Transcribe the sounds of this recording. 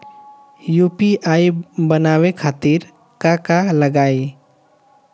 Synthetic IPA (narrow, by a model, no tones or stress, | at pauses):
jupiʔaibənawekʰaːt̪iɾ | kakaləɡaːi